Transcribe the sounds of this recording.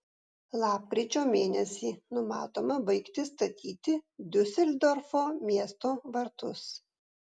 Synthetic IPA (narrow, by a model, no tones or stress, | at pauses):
lˠɑːp̚kɾʲit͡ʃʲoːmʲeːnʲɛsʲiːnʊmɑ̰ːt̪oːmɐbɐɪkt̪ʲɪst̪ɐt̪ʲʰiːt̪ʲɪd̪ʲʊsʲɛlʲd̪ɔɾfoːmʲiɛst̪oːʋɐɾt̪ʊs